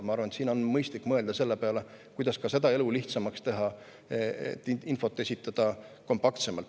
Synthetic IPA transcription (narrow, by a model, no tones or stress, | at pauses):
mɑɑɾrvɑnt̪siːno̞nmɤjst̪likːmɤe̞ld̪ɑse̞lːepeɑle | kujd̪̥ɑskɑse̞d̪ɑe̞luliht̪sɑmɑkst̪e̞ɦɑ | ḛt̪ːˑinfo̞t̪ːˑesʲit̪ːˑɑd̪̥ɑko̞mpɑkt̪se̞mɑlt̪